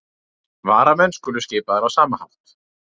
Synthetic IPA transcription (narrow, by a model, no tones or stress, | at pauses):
vaːɾamɛnskʏːlʏscɪːpaðɛɾawsaːmaha̰wt̪